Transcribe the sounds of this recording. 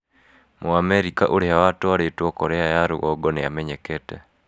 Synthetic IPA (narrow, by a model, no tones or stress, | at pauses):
moamɛɾikaʔoɾeawatɔaɾetwɔkɔɾɛajaɾo̰ʔɔɡɔnejamɛɲɛkɛtɛ